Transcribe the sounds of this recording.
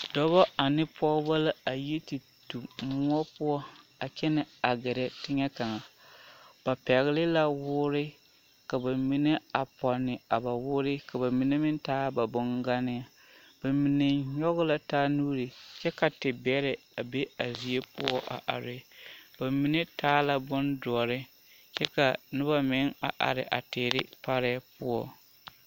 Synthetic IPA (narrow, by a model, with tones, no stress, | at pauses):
dɔ˦βɔ˦a˨nɪ˦pɔ˦ba˦la˦a˨je˦ti˨ | tu˨mʊ˦ɔ˦pʊ˦ɔ˦a˨t͡ʃɛ˦nɪ˨a˨ɡɛ˨ɾɛ˨tɪ˦ɲɛ˦ka˨ŋa˨ | b̥a˨pɛ˨ɣɪ˦lɪ˦la˦wʊː˦ɾɪ˦ | ka˨ba˨mi˨ne˦a˨pɔ˨nːɪ˨a˨ba˨wʊː˦ɾɪ˦ka˨ba˨mi˨ne˦mɪ˦ntaː˦ba˨bɔ˦ŋɡa˦nɪ˦a˦ | b̥a˨mi˨ne˨ɲɔ˦ɣʊ˦la˨taː˦nuː˦ɾɪ˨t͡ʃɛ˦ka˨tɪ˨bɛ˦ɾɪ˨ | a˨be˦a˨zi˨e˦pʊ̰˦ɔ˦ʔa̰˨ʔa̰˨ɾɪ˨ba˨mi˦ne˦tʰaː˦la˦bʊ˦ndʊ˨ɔ˨ɾɪ˦ | t͡ʃɛ˦ka˨nʊ˦ba˦mɪ˨˦ŋa̰˨ʔa̰˨ɾɪ˨ʔa̰˨teː˨ɾɪ˦pa˦ɾɛː˦pʊ˦ɔ˦